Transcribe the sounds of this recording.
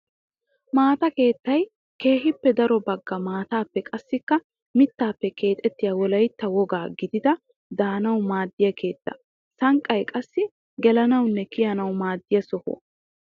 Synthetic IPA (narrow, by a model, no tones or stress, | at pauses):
maːt̪ɐke̞ːt̪ːɐj | ke̞ːɦɪpːɛd̪ɐɾɔbɐɡːɐmaːt̪aːpːɛkʼɐsːɪkːɐ | mɪt̪ːaːpːɛkʰe̞ːt̪ʼɛt̪ːɪjɐwɔlɐjt̪ːɐwɔɡaːɡɪd̪ɪd̪ɐ | d̪aːnɐwmaːd̪ːɪjɐkʰe̞ːt̪ːɐ̥̰ | sɐŋkʼːɐjkʼɐsːɪ | ɡɛlɐnɐwnːɛkɪjɐnɐwmaːd̪ːɪjɐsɔho̰